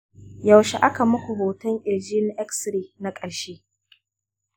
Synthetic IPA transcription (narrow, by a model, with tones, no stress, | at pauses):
ja˨wʃe˨ʔa˦ka˨mʊ˦kʷu˨hoː˨tɐ˦ŋʔɪ˨d͡ʒiː˦n˨˦ʔɛ˦ksɾiː˦na˦kʼɐ˨ɽʃeː˦